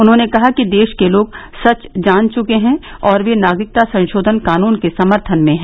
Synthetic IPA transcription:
ʊnɦõːnekɐɦakid̪eːʃkeloːɡsɐt͡ʃd͡ʒaːnt͡ʃʊkeɦɛ̃ɔːɾʋenaːɡɾɪk̚t̪asɐ̃nʃoːd̪ʱənkaːnuːnkesɐməɾt̪ʰənmẽɦɛ̃ː

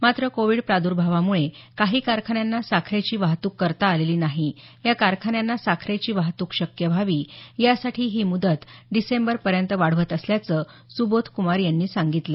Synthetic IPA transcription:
mat̪ɾəkoʋiːɽpɾad̪uːɾbʱaʋamuɭekaɦiːkaɾkʰaɳjanːasakʰɾet͡ɕiːʋaɦt̪uːkːəɾt̪aːleliːnaɦi | jakaɾkʰaɳjanːasakʰɾet͡ɕiːʋaɦt̪uːkɕəkjəbʱaʋiːjasaʈʰiːɦiːmud̪ət̪ɖisembəɾpəɾjənt̪əʋaɽ̤ʋət̪əsljat͡sə | subot̪ʰkumaɾjanːiːsaŋɡit̪lə

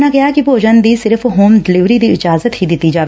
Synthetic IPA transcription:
naɡɐjakipoːd͡ʒənd̪isɪɾfɦoːmɖɪlɪʋɾid̪iɪd͡ʒaːzət̪ɦid̪iːt̪id͡ʒaː

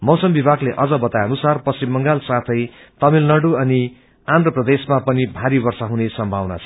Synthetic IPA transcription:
mʌwsʌmbibʱaɡleʔʌd͡zʌbʌt̪ajʌnusarpʌsimːʌŋɡalsat̪ʰʌj | t̪ʌmilnʌɽuʌni | and̪rʌprʌd̪esmapʌnibʱaɾibʌrsaɦunesʌmbʱawna̰t͡sʰʌ̥

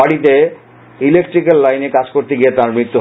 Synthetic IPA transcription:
aɽit̪e | ilekʈɾikelːajnekad͡ʑkoɾt̪eɡijet̪aɾmɾit̪ːu

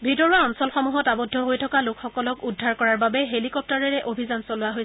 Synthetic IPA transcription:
bʱitɔɹuaɔnsɔlxɔmuɦɔtabɔdʱːɔɦojtʰɔkalokxɔkɔlɔkudʱːaɹkɔɹaɹbabɛɦelikɔp̚taɹɛɹɛʔobʱizansɔlʊaɦoj

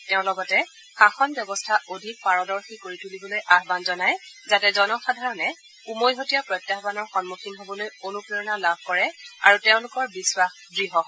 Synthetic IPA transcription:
tɛʊ̃lɔɡɔtɛ | xaxɔnbjɔbɔstʰaʔodʱik̚paɹɔdɔɹxikoɹitulibɔlojʔaɦbanzɔnajzatɛzɔnɔxadʱaɹɔnɛ | umojɦotijapɹɔjtːabanɔɹxɔnmukʰinɦobɔlojonupɹiɹɔnalabʱkɔɹɛa̰ɹutɛʊ̃lʊkɔɹbiswax | dɹiɦɔɦɔ

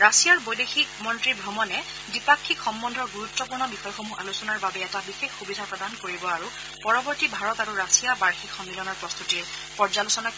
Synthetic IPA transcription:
ɹasijaɹbojdexik̚mɔntɹibʱɹɔmɔnɛ | dipakʰːikxɔmbɔndʱɔɹɡuɹutːɔpuɹnɔbixɔjɔxomuʔalusɔnaɹbabɛːtabixexːubidʱapɹɔdankoɹibɔaɹu | pɔɹɔbɔɹtibʱaɹɔtaɹuɹasijabaɹxikʰxɔmːilɔnɔɹpɹɔst̪ʰuti | pɔɹzalusɔna

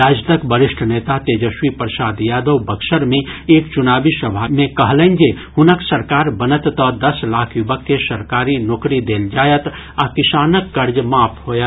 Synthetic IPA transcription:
ɾaːd͡ʒnəkbəɾɪʃʈʰneːt̪at̪eːd͡ʒəʃwipɾəsaːd̪jaːd̪əwbəkʃəɾmẽeːkt͡ʃʊnaːbisəbʱamẽkəɦlənd͡ʒe | hʊnəksɐɾkaːɾbənət̪t̪əd̪ɐslaːkʰjʊbəkːesɐɾkaːɾinoːkɾid̪eːld͡ʒaːjət̪ | akɪsaːnəkːəɾd͡ʒmaːpʰhoːjə

